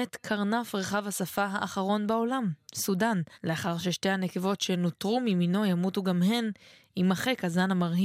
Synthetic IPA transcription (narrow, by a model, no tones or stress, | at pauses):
et̪kʰaʁnafʁe̞χavhasafaɦaʔːχaʁo̞nbao̞lamsudanle̞aχaʁʃeʃte̞jhane̞ke̞vo̞tʃe̞notʁumimino̞jamutuɡamɦe̞n | imaχekazanamaʁhi